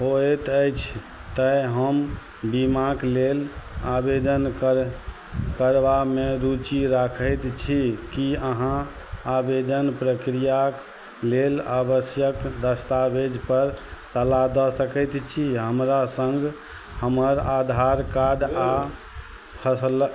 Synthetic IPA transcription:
ɦoɛt̪əjt͡ʃʰ | t̪əɦəm | bimaklelabed̪ənk | kəɾʋameɾut͡ʃiɾakʰəjt̪t͡ʃʰikiəɦã | abed̪ənpɾəkɾijak | lelabəsjəkd̪əst̪abed͡ʒpəɾsəlad̪ɔsəkəjt̪t͡ʃʰiɦəmɾasəŋɡ | həməɾad̪ʱaɾkaɖa | pʰəsl

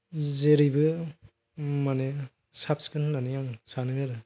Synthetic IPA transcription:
zeɾibɯ | mane | sap̚skɯnnanijaŋsanɯnɯɾɯ

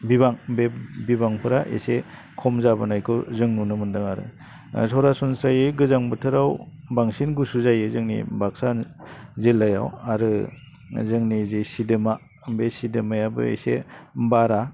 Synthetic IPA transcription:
bibaŋbepbibaŋpʰɯɾaʔḛse | kʰɔmzabɯnajkʰɔzɯŋnunɯmɯndɯŋaɾɯ̰ | sɔɾasɔnsɾajɯɡɯzaŋbɯtʰɯɾawbaŋsinɡusuzajɯzɯŋnḭbak̚sanzilːaja̰waɾɯ | zɯŋnizesidɯma | mbesidɯmajabɯ̰ḛsḛmbaɾa

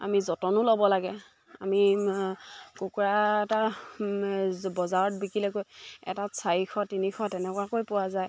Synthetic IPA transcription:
a̰mizɔtɔnʊlɔbɔlaɡɛ | a̰mi | kukuɹaɛta | bɔzaɹɔtbikilɛkojɛ̰tasʰaɹixɔtinixɔtɛnɛkwakojpʊwazaj

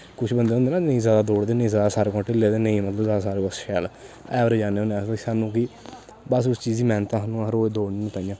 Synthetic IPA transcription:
kʊt͡ʃʰbənd̪eːɦõːnd̪eːnãːnəĩːzjaːd̪aːd̪oːɽd̪eːnəĩːzaːd̪aːsaːɾeːkɔ̃ːʈɪleːd̪eːnəĩmət̪ləbzaːd̪aːsaːɾekɔsʃɛːlɛːʋɾeːd͡ʒaːneːõːeãːseːsaːnũːkɪ | bəsʊst͡ʃiːziːmɛ̃ːnt̪ãːɦənũːəɾoːed̪oːɽneːnũt̪aːĩjãː

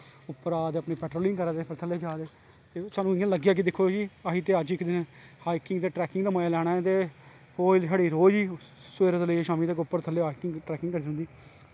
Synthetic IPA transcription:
ʊpːəɾaːd̪əpneːpɛːʈɾoːlɪŋɡkəɾaːd̪eːpʰɪɾt̪ʰəleːd͡ʒaːd̪eː | t̪eːsaːnũːɪjãːləɡjaːk̬id̪ɪkʰːoːd͡ʒiːaɦiːt̪eːəd͡ʒɪkd̪ɪnhaːikɪŋɡt̪eːʈɾɛːkɪŋɡd̪aːmajaːlɛːɽ̃aːɛ̃ːt̪eː | hoːlsaːɽiːɾoːd͡ʒiː | sweːɾd̪ləiːeʃaːmiːt̪eːkʊpːəɾt̪ʰəlːeːɦaːikɪŋʈɾɛːkɪŋkəɾiiʊ̃nd̪iː

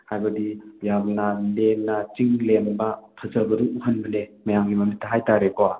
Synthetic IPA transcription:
hajbɐdijabnalemnɐt͡ʃiŋlembɐpʰɐzəlɡɐduuɦənbənemɐjamɡimɐmitːaɦajtaɾekowa

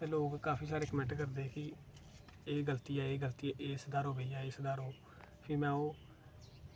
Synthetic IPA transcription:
t̪eːloːɡkaːpʰiːsaːɾeːkəmɛ̃ɳʈkəɾd̪eːkɪ | eːɡəlt̪iːaːeːɡəlt̪iaːʔeːsd̪aːɾoːbeiaːeːsd̪aːɾoː | pʰɪːmɛ̃ːoː

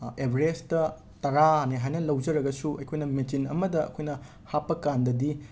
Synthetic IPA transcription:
ebʱɾestɐ | tɐɾaneɦajnɐlɐwd͡ʒɐɾɐɡɐsuɐ̰jkʰojnɐmit͡ʃinɐ̰mɐdɐɐ̰kʰojnɐ | hapːɐkandɐdi

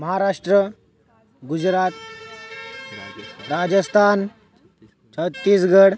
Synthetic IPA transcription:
məɦaɾaʂʈɾə | ɡud͡ʑɾat̪̚ | ɾad͡ʑəst̪ʰan | t͡ʃʰət̪ːiːsɡəɽ

